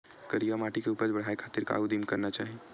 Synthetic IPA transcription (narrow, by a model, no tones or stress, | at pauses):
kəɾijamaʈikeupəɾt͡ʃbəɽ̤aekʰat̪iɾka̰ud̪imkəɾnat͡ʃaɦi